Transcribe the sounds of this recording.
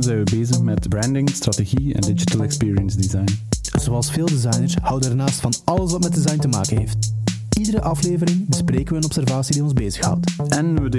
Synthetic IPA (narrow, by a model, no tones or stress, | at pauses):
zɛjnʋəbeːzəxmɛtbɾɛndɪŋstrateɣiɛ̰ndɪd͡ʒitəlˠɛkspiːɹiənzdizajnz̥oːɑlˠsfeːlˠdizɑjnərshʌwdənɛrnaːstfɑnɑləsʋɑtmɛt̚dizɑjntəma̰ːkənɦeːft | idəɾəʔɑfleːvəɾɪŋbəspreːkənʋəənɔpsɛrvaːsidiɔnzbeːzəxhʌ̰wtɛnʋəd